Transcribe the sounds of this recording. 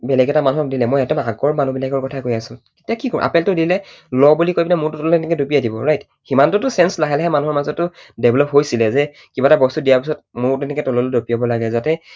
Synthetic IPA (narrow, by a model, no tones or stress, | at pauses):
bɛlɛɡɛtamanuɦɔk̚dilɛmɔjɛtɔmaɡɔɹmanubilaɡɔɹkɔtʰakojasʊ̃ketiakikɔ̰ʔa̰pɛltʊdilɛ | lɔbulikojbinɛmʊɹtʊtɔllɛnɛkɛdupiadibɔɹajt | ximantʊtʊsɛnslaɦɛlɛɦɛmanuɦɔɹmazɔtːʊ | dɛbʱlɔpɦojsilɛzɛ | kibatabɔstudijaɹpisɔt̚mʊɹtɛnɛkɛtɔlɔlodopijɔbɔlaɡɛzatɛ